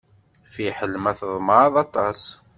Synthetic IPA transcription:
fiħəlmæθəðˤməɾɑðˤɑt̪ˤɑs

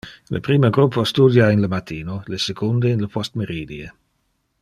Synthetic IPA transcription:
lə̰pɾiːməɡɾupːost̪ud̪jainləmat̪iːnolesekond̪einləpʰɔst̪meɾiːd̪ie

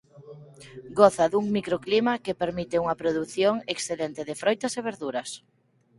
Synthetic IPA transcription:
ɡoθɐðuŋmikɾoklimɐkepeɾmit̪ɪuŋɐpɾoðuθjoŋeksθelent̪ɪðɪfɾojt̪ɐseβ̞eɾðuɾɐs

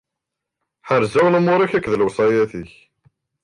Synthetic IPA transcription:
ħəɾzæwləmʊɾˤæçækːðəlwsˤɑjæθiç

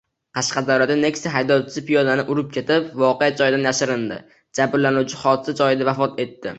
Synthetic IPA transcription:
qʰɑʃqɑd̪awɾad̪ane̞kʲst̪aɦajd̪ɒwt͡ʃʰɪzɪpijɒd̪anɪʔʊɾɪp̚kʲʰe̞t̪ɪpvɒqejad͡ʒɒjɪd̪anjaʃɪɾɪnd̪ɪ̰ | d͡ʒabɾlanuwt͡ʃʰɪχɒd̪ɪsad͡ʒɒjɪd̪avafɒt̪e̞t̪ːɪ̰

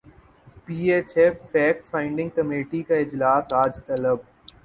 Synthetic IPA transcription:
piːeːt͡ʃefːɛːkfãːɪ̃ɳɖɪ̃ŋɡ̚kɐmeːʈikaɪd͡ʒlaːsaːd͡ʒt̪ɐləb̚

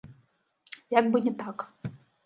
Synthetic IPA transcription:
jaɡ̚bɨnʲɛt̪ak

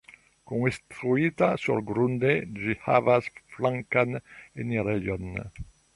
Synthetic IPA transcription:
kuŋst̪ɾuit̪asɔlɡɾund̪ed͡ʒiha̰vasflaŋkaneniɾejɔn

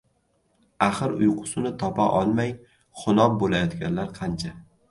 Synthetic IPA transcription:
aχɨɾʊ̰jqʰʊ̥sʊnɪt̪ʰɒpʰaʔɒlˠmaj | χʊnɒp̚bolajɒt̪ɡʲanlaɾqʰɑnt͡ʃʰa

